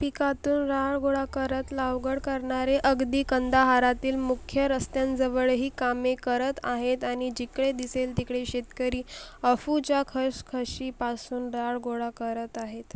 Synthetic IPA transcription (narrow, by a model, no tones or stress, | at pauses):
pikat̪uːnɾaɭɡoɭakəɾət̪laʋɡəɽkəɾɳaɾeʔəɡd̪iːkənd̪aɦaɾat̪iːlmukʰjəɾəst̪jãnd͡zəʋəɭɦiːkamekəɾət̪aɦet̪aɽ̃id͡ʑikɭed̪iselt̪ikɽeɕet̪kəɾiːəfut͡ɕjakʰəɾskʰəɕiːpasuːnɾaɭɡoɭakəɾət̪aɦet̪